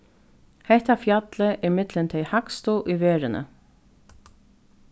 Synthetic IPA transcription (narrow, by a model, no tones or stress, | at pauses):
hɛht̪afjat̪ləʔɪmɪt̪lɪnt̪ʰɛjhakst̪uʔiʋeːɹɪnʔə̰